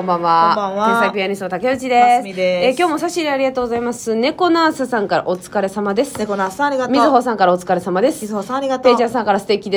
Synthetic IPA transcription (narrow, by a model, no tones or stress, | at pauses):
kõmbãβaẽsakʲijaɲʲisot̪akeɯt͡ɕid̪esd̪eekʲo̞ːmo̞saɕiɾeaɾʲiɡat̪o̞ːɡo̞zaimasɨne̞ko̞naːsɨsãŋkaɾa̰ʔo̞t͡sɨ̥kaɾe̞samad̪esɨ̥nekonasaiɡat̪mʲizɨɦo̞ːsãŋkaɾao̞t͡sɨ̥kaɾe̞samad̪e̞sɨ̥izhosaɾiɡatp̪eːd͡ʑasãŋkaɾasɨ̥t̪e̞kʲid̪e